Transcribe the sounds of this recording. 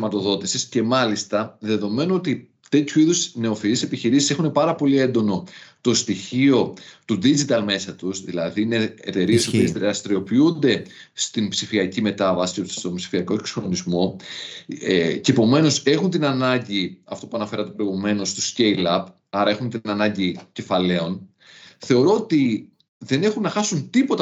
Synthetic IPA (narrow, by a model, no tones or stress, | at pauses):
imɐt̪o̞ðo̞t̪isisce̞mɐlist̪ɐðe̞ðo̞me̞nuo̞t̪i | t̪e̞t̪çuiðusne̞o̞fiɾisepiçiɾisise̞xune̞pɐɾɐpo̞lie̞nd̪o̞no̞t̪o̞st̪içio̞t̪uðid͡ʒit̪ɐlme̞sɐt̪usðilɐðiine̞ḛt̪e̞ɾie̞sopiezðɾɐst̪ɾio̞piund̪e̞ | st̪inbsifiɐcime̞t̪ɐvɐsi̥ost̪o̞mbsi̥fiɐko̞ekso̥nonizmo̞ | ce̞ːpo̞me̞no̞se̞xunt̪inɐnɐɲɟiɐft̪o̞puɐnɐfe̞ɾɐt̪epɾo̞iɣume̞no̞st̪usce̞ilɐp | ɐɾɐe̞xunt̪inɐnɐɲɟice̞fɐle̞o̞n | θe̞o̞ɾo̞ot̪i | ðe̞ne̞xunːɐxɐsunt̪ipo̞t̪ɐ